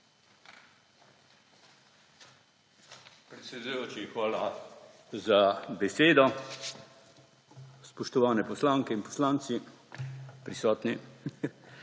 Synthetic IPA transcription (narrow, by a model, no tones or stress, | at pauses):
pɾɛt̪sʲɛd̪ujoːt͡ʃixʋaːla | zabɛseːd̪ɔ | spɔʃt̪ɔʋaːnɛpɔslaːŋkɛinpɔ̥slaːnt̪si | pɾisɔːt̪ni